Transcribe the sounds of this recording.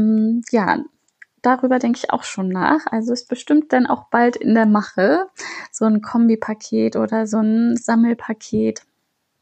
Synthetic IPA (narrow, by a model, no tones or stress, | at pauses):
mja̰ː | d̥aʁyːbɐdɛŋkəɪça̰ʊxʃoːnːa̰ːχʔalzoɛsb̥əʃtɪmt̚d̥anʔa̰ʊxb̥altɪndeːɐmaχəz̥oːnkʰɔmbipʰakʰeːtʔo̰ːdɐzoːnz̥aml̩pʰakʰeːt